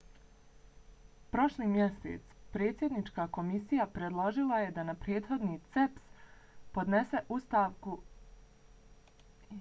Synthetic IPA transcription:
pɾo̞ʃliːmjesḛt̪spɾe̞ːt̪sje̞d̪nit͡ʃkaːko̞misijapɾed̪lˠo̞ʒilˠaje̞d̪anapɾe̞ːd̪xo̞d̪nit̪seps | po̞d̪nese̞ʔust̪aːʋku

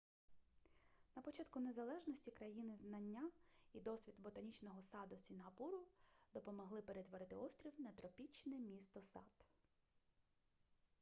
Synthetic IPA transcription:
nɐpɔt͡ʃɑt̪kʊnezɐlˠɛʒnɔsʲtʲikɾɐjinɪznɐnʲːaid̪ɔsʲʋʲit̪bɔt̪ɐnʲit͡ʃnɔɦɔsɑd̪ʊsʲinɦɐpuɾʊd̪̥ɔpɔmɔɦlˠɪpeɾet̪ʋɔɾɪt̪ɪɔst̪ɾʲiwnɐt̪ɾɔpʲit͡ʃnɛmʲist̪ɔsɑ̰t̪

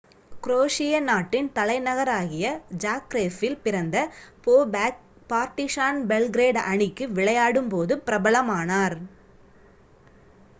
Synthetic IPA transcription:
kɾoːʂɪjɐnaːʈːɪnt̪ɐlɐɪnɐɣɐɾaːɣɪjɐd͡ʒaːkɾeːfɪlpɪɾɐnd̪ɐpoː | paːɾʈɪʂaːnbɛlɡɾeːɖɐɳɪkːɯʋɪɭɐjaːɽɯmpoːðɯpɪɾɐbɐɭɐmaːnaːɾ

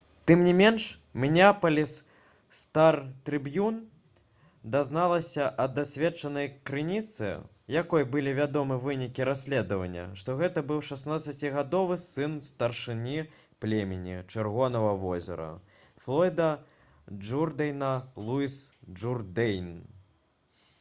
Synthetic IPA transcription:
t̪ɨmnʲimʲɛnʂ | mʲnʲapɐlʲis | st̪art̪ɾɨbjun | d̪aznalˠɐsʲɐʔɐd̪asʲvʲɛt͡ʂɐnɐjkɾɨnʲit̪sɨ̰ | jakɔjbɨlʲivʲad̪ɔmɨvɨnʲikʲiɾasʲlʲɛd̪ɐvɐ̰nʲːɐ̰ʂt̪ɔɣɛt̪ɐbɨwʂasnat̪sːɐt͡sʲiɣad̪ɔvɨsɨnst̪ɐrʂɨnʲi | plʲemʲɛnʲit͡ʂɨrɣɔnɐvɐvɔzʲɛ̰ɾɐ̰ | flˠɔjd̪ɐ | d͡ʐurd̪ɐjnɐlˠuisʐurd̪ɛjn

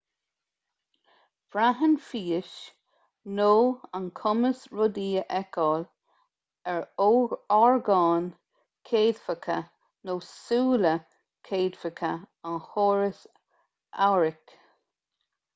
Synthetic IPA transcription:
b̥ɹaɦənfiːəʃ | noːankʰʊməsɹʊd̪iːəʔɛkɔːl | ɛɹoːɡɔɹɡɑːn | kʰeːd̪fəkʰə̰ | noːsuːlə | kʰeːd̪fəkʰəanhoːɹəs | ʔa̰wɹɪk

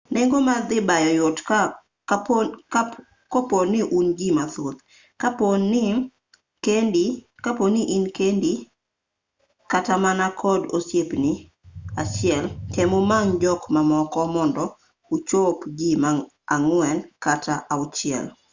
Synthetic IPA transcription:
neŋɡomad̪ɪbajɔjʊt | koponːɪʔunɡimat̪ot̪ | kaponɪ | kendikaponiʔinkendi | katamanakʰɔdosjepnɪ | at͡ʃɪɛlkemomaŋd͡ʒɔkmamɔkɔmɔndɔ | ut͡ʃopɡima | aŋwɛnkatʰaʔaʊt͡ʃɪɛ̰l

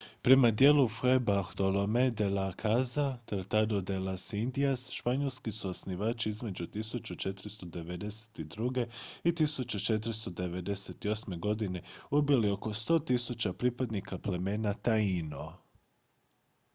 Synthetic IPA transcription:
pɾe̞mad̪je̞ːlufebaxt̪olomed̪elakʰazat̪aɾt̪ad̪od̪elasind̪iasʃpaɲe̞lˠskisuosniʋaːt͡ʃiizme̞d͡ʒut̪isut͡ʃut͡ʃet̪ɾist̪od̪e̞ʋe̞d̪e̞se̥t̪id̪ɾuɡe̞it̪isut͡ʃut͡ʃe̞t̪̬ɾst̪od̪e̞ʋe̞d̪e̞set̪io̞sme̞ɡo̞d̪ine̞ubilio̞ko̞st̪o̞ːt̪isut͡ɕapɾipad̪nikʰaple̞me̞ːnat̪aino

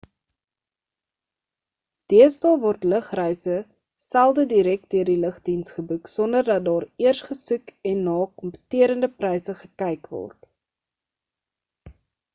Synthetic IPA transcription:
d̥iəstɑvɔrtləχrəjsə | sælˠdədiɾɛk̚diərdiləχdinsχəbuksɔndərdɐt̚dɑːɾiərsχəsʉkɛnːɑːkɔmpə̥tiəɾəndəprɛjsəχəkɛjkvɔ̰rt

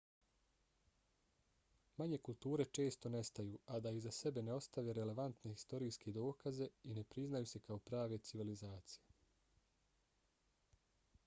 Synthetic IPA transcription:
maɲe̞kulˠt̪uːɾe̞t͡ʃe̞ːst̪o̞ne̞st̪ajuːad̪aizase̞be̞ne̞o̞st̪aʋe̞ɾele̞ʋant̪ne̞i̥st̪o̞ɾiːske̞d̪o̞ːkaze̞ine̞pɾiznajuːse̞kao̞pɾaːʋe̞t̪siʋilizaːt̪sije

